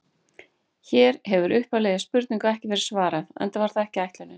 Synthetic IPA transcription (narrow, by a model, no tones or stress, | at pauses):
çɛːɾɦɛvʏɾʔʏhpalɛðɪaspʏɾt̪niŋkaɛhcɪvɛːɾɪ̥svaːɾaðɛ̰nt̪avaɾ̥θaðɛhcɪajht̪lanɪ